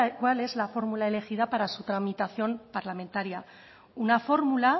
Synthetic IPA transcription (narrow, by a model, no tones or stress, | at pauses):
kwale̞zlafo̞ɾmulae̞le̞xið̞apaɾasut̪ɾamit̪aθjo̞mpaɾlame̞nt̪aɾja | unafo̞ɾmula